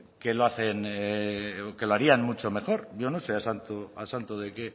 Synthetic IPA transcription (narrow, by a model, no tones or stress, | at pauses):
ke̞loaθe̞n | oke̞loaɾianmut͡ʃo̞me̞xo̞ɾʝo̞no̞se̞asant̪oasant̪oð̞e̞ke̞